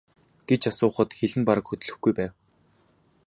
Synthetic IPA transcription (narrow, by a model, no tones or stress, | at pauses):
ɡ̥et͡ɕasʊːχə̆t̪xeɮɘ̆mpaɾə̆kxɵt̪̆ɮɵ̆xɡujpæːw